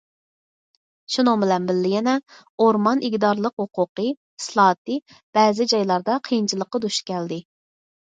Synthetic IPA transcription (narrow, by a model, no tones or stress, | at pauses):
ʃunobɪlɛnbɪlːɪjɛnɛ | oɾmɑnʔiɡʲd̪ɑɾlˠəqhoqʊqə | i̥slˠɑːt̪ɨ | b̥ɛːzɪd͡ʒɑjlˠɑɾd̪ɑqʰijint͡ʃʰilˠəqːɑd̪uʃkʲɛld̪ɪ